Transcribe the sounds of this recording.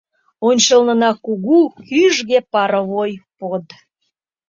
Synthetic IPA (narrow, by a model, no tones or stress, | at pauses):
onʲt͡ɕəlnənɑkuɣukyʒɣepɑɾəβojpod̪